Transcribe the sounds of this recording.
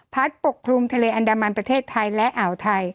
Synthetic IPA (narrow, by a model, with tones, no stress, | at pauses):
pʰa˦˥t̪̚po˨˩kʰɾu˧mt̪ʰa˧leː˧ʔa˧ndaː˧ma˧npɾa˧t̪ʰeː˥˩t̪ʰːa˧jlɛ˦˥ʔa˩˦wt̪ʰa˧j